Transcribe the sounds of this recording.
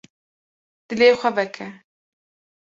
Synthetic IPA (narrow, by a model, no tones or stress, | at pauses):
d̪̥ɨleːxʷɐbɛkʰɛ